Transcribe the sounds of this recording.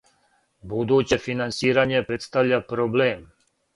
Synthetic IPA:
bud̪uːt͡ɕe̞finansiːɾaɲe̞pɾe̞t̪st̪aʋʎapɾoblem

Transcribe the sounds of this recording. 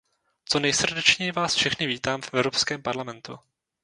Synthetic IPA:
t͡sonɛjsr̩dɛt͡ʃɲɛjɪvaːsfʃɛxnɪviːt̪aːmfʔɛvɾopskɛːmpaɾlamɛnt̪ṵ

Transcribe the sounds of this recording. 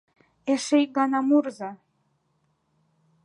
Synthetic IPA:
eʃej̚ɡɑnɑmurzɑ

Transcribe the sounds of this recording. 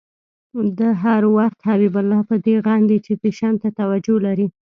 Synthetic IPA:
d̪əɦaɾwaxt̪habibalːɑpəd̪eɣɑnd̪it͡ʃepeʃɑnt̪at̪awad͡ʒolaɾi

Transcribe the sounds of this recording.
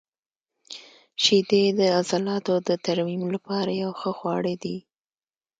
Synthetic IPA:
ʃid̪ed̪əazalɑt̪od̪ət̪aɾmimlapɑɾajawxəxwɑɽed̪i

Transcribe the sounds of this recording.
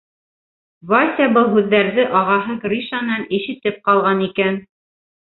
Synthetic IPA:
vɑsʲɑbɤlˠɦʉðːæɾðɘʔɑʁɑɦɤkɾʲiʃanɑnĭʃɘ̆t̪ɘp̚qɑlˠʁɑnikæn

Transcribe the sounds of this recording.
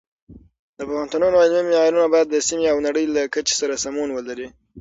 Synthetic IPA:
d̪əpaxant̪unəjonalmimɑɾunabɑjad̪ːəsimeawnaɽəjlakat͡ʃe̥saɾasamunwəlaɾi

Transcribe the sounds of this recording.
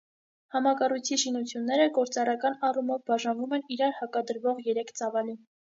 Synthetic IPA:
hɑmɑkɑrujt͡sʰiʃinut͡sʰjunːɛɾəɡɔɾt͡sɑrɑkɑnɑrumɔvbɑʒɑnvumɛniɾɑɾhɑkɑd̪əɾvɔʁjɛɾɛkʰt͡sɑvɑli

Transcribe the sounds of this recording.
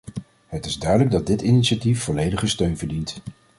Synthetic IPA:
ɦətɪzdœɥdələɡ̚dɑd̚dɪtiniʃatifːɔlejdəχəstøɥnvəɹdint

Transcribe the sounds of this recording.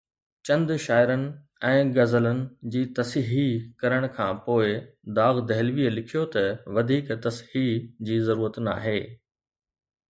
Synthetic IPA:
t͡ɕɐ̃nd̪ʃaːɪɾənɪ̆ | ɛ̃ːɡɐzələnɪ̆d͡ʑiːt̪ɐsɦikɐɾəɽ̃kʰãːpoːɪd̪aːɣd̪ɐɦɪlʋiəlɪkʰijot̪ɐʋɐd̪ʱiːkt̪ɐshid͡ʑiːzɐɾuːɾət̪na̰ːɦeː

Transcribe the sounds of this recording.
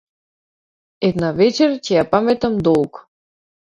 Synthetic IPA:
ɛd̪navɛt͡ʃɛɾcɛjapamɛt̪amd̪ɔlˠk

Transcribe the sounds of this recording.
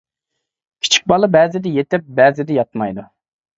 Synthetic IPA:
kʲʰi̥t͡ʃʰi̥k̚ʲbɑlˠɨbɛːzɪd̪ɪjet̪ɪp̚bæːzɪd̪ɛjɑt̪mɑjd̪u

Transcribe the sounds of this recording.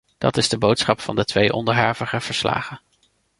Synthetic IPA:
d̥ɑ̰tɪzdəbowtsχɑpfɑndətʋejʔɔ̰ndəɹɦaːɹvəχəv̥əɹsla̰ːχə

